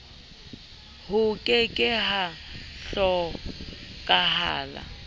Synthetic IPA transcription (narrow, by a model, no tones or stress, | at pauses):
hʊkʼɪkʼɪɦaɬɔ | kʼaɦa̰ːla̰